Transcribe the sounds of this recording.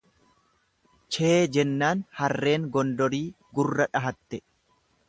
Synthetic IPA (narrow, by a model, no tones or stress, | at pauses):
t͡ʃeːd͡ʒɛnːaːnhɐrːe̞ːŋɡɔnd̪ɔɾiː | ɡʊrːɐᶑɐɦɐt̪ːɛ